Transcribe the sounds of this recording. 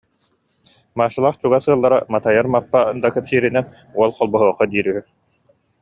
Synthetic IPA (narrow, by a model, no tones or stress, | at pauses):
maːʃɯlˠaːχt͡ɕuɡasɯɐlˠːaɾa̰mat̪ajaɾmapːand̪akœpsiːɾinɛn | uɔlˠqɔlˠbɔɦuɔχɔd̪iːɾyɦy